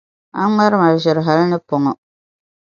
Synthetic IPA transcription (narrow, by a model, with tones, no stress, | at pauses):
a˦ŋa˦ɾɨ˦ma˨ʒɪ˨ɾɨ˨ɦa˨lnɨ˦pɔ˨ŋɔ˨